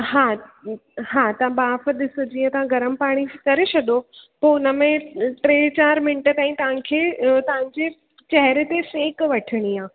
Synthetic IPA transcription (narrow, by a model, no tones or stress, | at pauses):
ɦaː | ɦaːt̪ɐãbaːfəɗ̪ɪsʊd͡ʑiə̃t̪ɐʋ̤ãɡʱɐɾəmpaːɽ̃ikɐɾeɕʰɐɗ̪opoːʊnəmẽʈɾeːt͡ɕaːɾmɪ̃nʈət̪ãːĩt̪ɐʋ̤ãkʰeːt̪ɐɦɪ̃ɲd͡ʑe | t͡ɕɛɦɾet̪eseːkʋɐʈʰɪɽ̃iaː